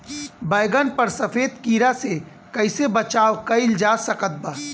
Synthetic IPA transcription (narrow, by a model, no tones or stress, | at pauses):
bɐɪɡənpɐɾsɐfeːd̪kiːɾase | kɐɪsebɐt͡ʃaːokɐɪld͡ʒaːsɐkət̪̚baː